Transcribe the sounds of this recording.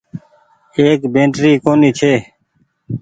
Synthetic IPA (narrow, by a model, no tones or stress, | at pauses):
eːkbẽːɳʈɾiːkoːniːt͡ʃʰeː